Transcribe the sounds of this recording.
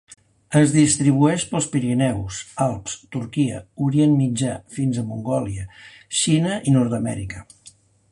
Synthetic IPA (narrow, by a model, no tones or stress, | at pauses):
əzðist̪ɾiβ̞uɛʃpəlˠspiɾinɛwsalˠpst̪urkiə̰uɾienmid͡ʒafinzəmuŋɡɔliə | ʃinəʔinɔrt̪əmɛ̰ɾikə